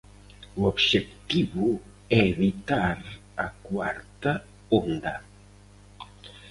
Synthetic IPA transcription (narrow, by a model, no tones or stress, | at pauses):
uobʃek̚t̪iβu | ɛeβit̪aɾ | ɐkwaɾt̪a | ond̪ɐ